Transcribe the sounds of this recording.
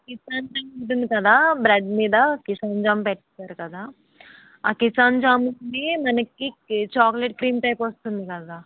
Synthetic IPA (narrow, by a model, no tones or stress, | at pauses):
kisaːnd͡ʒaːmuwʈ̬und̪ikɐd̪aːbɾɐɖmiːd̪ɐkisaːnd͡ʒaːmpɛʈːɐtːaːɾukɐd̪aː | aːkisaːnd͡ʒaːmuneːmɐnɐkːit͡ʃaːkleʈkɾiːmʈɐjpʋɐst̪und̪ikɐd̪aː